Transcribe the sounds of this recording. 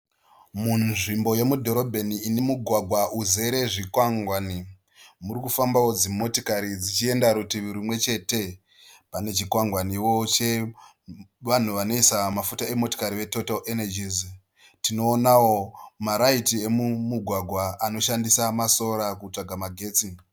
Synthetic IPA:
munʐimbo̞je̞mudʱo̞ɾo̞bʱeniːne̞muɡʱwaɡʱwaʔuze̞ɾe̞ʐikwaŋɡwani | muɾikufambawo̞d͡zimo̞tokaɾid͡zit͡ʃie̞ndaɾutiʋuɾimwe̞t͡ʃe̞te̞ | pane̞t͡ʃikwaŋɡwaniwo̞t͡ʃe̞ | ʋan̤uʋano̞isamafutae̞mo̞to̥kaɾiʋe̞totalenad͡ʒiz | tino̞ːnawo̞maɾaitie̞mumuɡʱwaɡʱwaano̞ʃandisamaso̞ɾakut͡ʂaɡʱamaɡʱe̞ːt͡si

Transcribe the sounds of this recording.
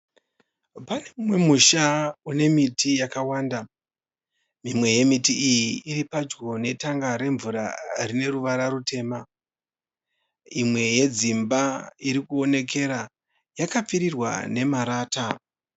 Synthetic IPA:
pane̞mumwe̞muʃaune̞mitʰijakawaːnda | mimwe̞je̞mitiijiːɾipad͡ʒɡo̞ne̞taŋɡaɾe̞ɱvuɾa̰rine̞ɾuʋaɾaɾute̞ːma | imwe̞je̞d͡zimbaiɾikuo̞ne̞k̬e̞ɾa | jakap͡fiɾirwa̰ne̞maɾaːta

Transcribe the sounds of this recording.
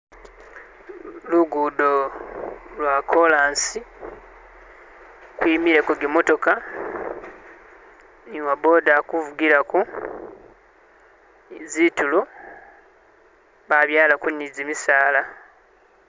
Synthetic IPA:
luɡudo | lwakʰo̞laːnsi | kwimiɾe̞koɡimo̞to̞ka | niwabo̞ːdakuvuɡiɾaku | zitulo | βaβjaːlakunːizimisaːla

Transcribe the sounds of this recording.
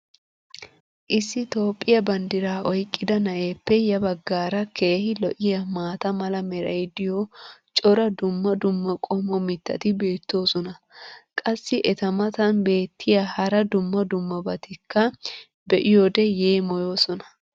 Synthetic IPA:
ʔɪsːɪt̪o̞ːpʼːɪjɐbɐnd̪ɪɾaːʔɔjkʼːɪd̪ɐnɐʔe̞ːpːɛjɐbɐɡːaːɾɐkʰeːhɪlɔʔɪjɐmaːt̪ɐmɐlɐmɛɾɐ̰jd̪ɪjɔt͡ʃʼɔɾɐd̪ʊmːɐd̪ʊmːɐkʼɔmɔmɪt̪ːɐ̰t̪ɪbe̞ːt̪ːo̞ːsɔnɐ | kʼɐsːɪʔɛt̪ɐmɐt̪ɐnbe̞ːt̪ʰːɪjahɐɾɐd̪ʊmːɐd̪ʊmːɐbɐt̪ɪkʰːɐ | bɛʔɪjoːd̪ɛjeːmɔjo̞ːsɔnɐ̥

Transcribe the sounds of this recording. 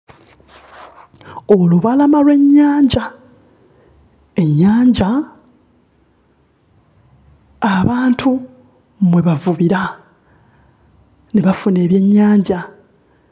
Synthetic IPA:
o̞luβalamalwe̞ɲːaːɲɟa | e̞ɲːaːɲɟa | aβaːntʰu | mwe̞βavuβiɾa | neβafune̞ːβje̞ɲːaːɲɟa

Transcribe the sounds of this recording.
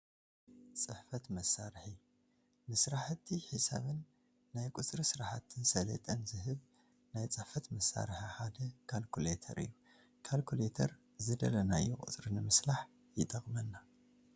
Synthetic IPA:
t͡sʼɨħfɐt̪mɐsːaɾħi | mɨsɾaħt̪ʰːiħisa̰βɨnː | ajkʼut͡sʼɾɨsɨɾaħat̪ʰːɨnsɐlɐ̰t̪ʼɐnzɨhɨβ | najt͡sʼɨħfɐt̪mɐsːa̰ɾɨħiħad̪ɐkʰalkʰulet̪ʰɐ̰ɾɨ̰jːu | kʰalkʰulet̪ʰɐɾ | zɨd̪ɐlɐnajɛkʼɨ̰t͡sʼɾɨnɨmɨslaħ | jɪt̪ʼɐχʼmɐnːa

